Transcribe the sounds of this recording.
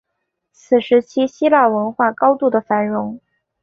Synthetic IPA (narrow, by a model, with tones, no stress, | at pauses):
t͡sʰɹ̩˨˩ʂɻ̩˧˥t͡ɕʰi˥ɕi˥la˥˩wə˧˥nxwa˥˩kɑ˥ʊt̪u˥˩d̪ə˩fa˧˥nɻʊ˧˥ŋ